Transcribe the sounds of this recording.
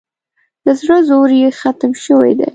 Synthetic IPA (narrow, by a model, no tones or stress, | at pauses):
d̪̥əzɽəzoɾjexat̪mʃəwḛjd̪ḛj